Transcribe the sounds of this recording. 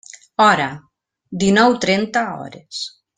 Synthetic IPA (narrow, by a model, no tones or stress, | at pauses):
ɔɾa | d̪inɔwt̪ɾent̪aɔ̰ɾes